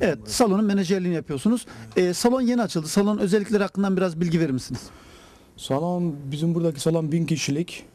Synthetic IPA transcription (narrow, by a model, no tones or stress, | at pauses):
evɛt̪salˠo̞nunmeneʒɛɾlʲinijapʰɯjo̞ɾsunuz̥ɛːsalˠo̞nje̞niat͡ʃʰɯlˠd̪ɯsalˠonnøzɛlʲːic̬ʲlʲeɾihakʰːɯnd̪anbiɾazbilʲɟive̞ɾimisiniz̥ | salˠonbizimbuɾd̪aci̥salˠonbinciʃilʲic